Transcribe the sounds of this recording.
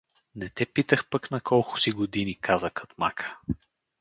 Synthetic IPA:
nɛt̪ɛpit̪əxpəknɐkʰɔlˠkʊ̥siɡod̪inikʰazəxot̪ma̰kʰə̥

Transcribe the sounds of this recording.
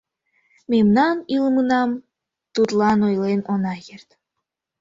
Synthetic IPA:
memnɑnilmɯnɑm | t̪ut̪lɑnojlenonɑjert̪

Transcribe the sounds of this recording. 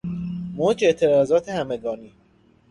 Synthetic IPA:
moːd͡ʒe̞ʔt̪ʰe̞ɾɒːzɒːt̪ʰehæmeɡɒːniː

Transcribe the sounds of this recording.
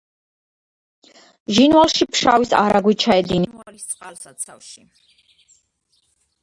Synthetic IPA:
ʒinvalˠʃipʰʃavisa̰ɾaɡwit͡ʃʰaɛd̪inialist̪sʼqʼalsat̪sʰafʃi

